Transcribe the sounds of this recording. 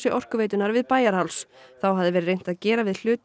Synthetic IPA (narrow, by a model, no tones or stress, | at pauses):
sɪʔɔr̥kʏveːjt̪ʏnaɾvɪðpaːjaɾ̥hawlsθawɦaðɪvɛɾɪɾrejn̥t̪aðcɛːɾavɪðl̥ʏːt̪